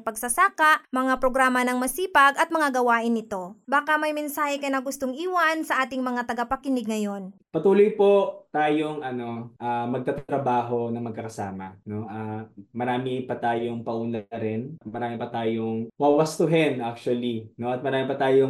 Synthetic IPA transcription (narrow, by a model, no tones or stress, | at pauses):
pɐɡ̚sɐsaːkɐʔmɐŋapɾoɡɾaːmɐnɐŋmɐsiːpɐɡɐt̪̚mɐŋaɡɐwaːʔɪnːɪt̪o̞baːkɐmɐjmɛnsaːhɛkɐnɐɡʊst̪oŋʔiːwɐnsɐʔaːt̪ɪŋmɐŋat̪ɐɡapɐkɪnɪɡ̚ŋɐjo̞n | pɐt̪uːlojpo̞t̪aːjoŋɐno̞ʔamɐɡ̚t̪ɐt̪t̪ɾɐbaːɦo̞nɐŋmɐɡkːɐkɐsaːmɐno̞ʔamɐɾaːmɪpɐt̪aːjoŋpɐʔuːnaɾɛnmɐɾaːmɪpɐt̪aːjoŋwawɐst̪ʊɦɛnʔak̚t͡ʃuɐlino̞ɐt̪mɐɾaːmɪpɐt̪aːjoŋ